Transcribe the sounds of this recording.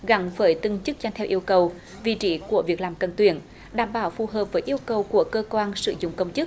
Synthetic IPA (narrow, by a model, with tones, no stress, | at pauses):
ɣa˨˦ŋvəː˧˦jt̪ɨ˧ŋt͡ɕɨ˦˥k̚za˧jt̪ʰɛ˧wʔi˧əwkə˨˩w | vḭ˧˨t͡ɕi˧˩ku˧˩əvi˨˩ək̚laː˨˩mkə˨˩nt̪wḭ˧˩˨ən | ɗaː˧˩mɓaː˧˦wfu˨˩ɦəː˨˩p̚vəː˨˦jʔi˧əwkə˨˩wku˧˩əkəː˧kwaː˧nsɨ̰˧˨zʊ̰˧˨ŋ͡mkə˧wŋ͡mt͡ɕɨ˦˥k̚